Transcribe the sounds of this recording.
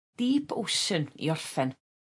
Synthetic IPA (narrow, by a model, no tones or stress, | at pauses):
d̥iːpʰʊsənḭɔrfɛn